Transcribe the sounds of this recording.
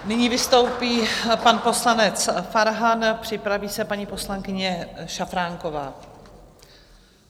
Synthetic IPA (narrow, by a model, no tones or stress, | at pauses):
nɪɲiːvɪst̪o̞wpiːpanpo̞slanɛt͡sfaɾɦanpr̝̥ɪpɾaviːsɛpaɲipo̞slaŋkɪɲɛʃafɾaːŋko̞va̰ː